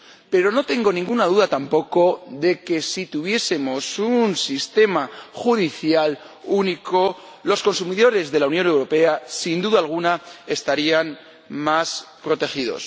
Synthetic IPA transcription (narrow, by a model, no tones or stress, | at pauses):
pe̞ɾo̞no̞t̪e̞ŋɡo̞nĩŋɡunað̞uðat̪ampo̞ko̞ðe̞ke̞sit̪uβ̞je̞se̞mo̞sunsist̪e̞maxuðiθjal | uniko̞ | lo̞sko̞nsumiðo̞ɾe̞zðe̞lawnjo̞ne̞wɾo̞pe̞asind̪uðaːlɣ̞unae̞st̪aɾian | maspɾo̞t̪e̞xiðo̞̰s